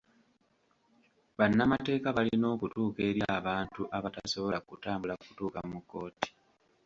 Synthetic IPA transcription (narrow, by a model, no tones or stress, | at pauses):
βanːamate̞ːkaβalino̞ːkutuːke̞ːɾjaːβaːntuʔaβataso̞βo̞lakutaːmbulaku̥tuːkamukːo̞ːti̥